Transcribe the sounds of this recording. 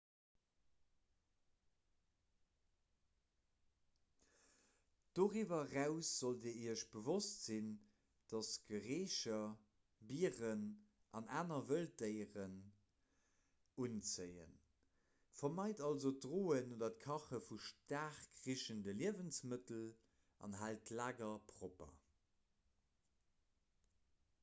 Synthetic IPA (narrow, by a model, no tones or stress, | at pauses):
d̥oːʁivɐʁæʊsz̥oldiːɐiəɐʃb̥əvostz̥in | d̥ɑsɡ̥əʁeːʃɐ | biːʁən | ʔɑnaːnɐvəldəɪʁən | unt͡səɪə̰n | fɐmɑɪtɑlzo̥ʁoːənoːdɐt̚kʰɑχəfuʃtaːχkʁiʃəndəliəvənsmətəl | ɑ̰nɦaltlaːɡɐpʰʁopɐ̰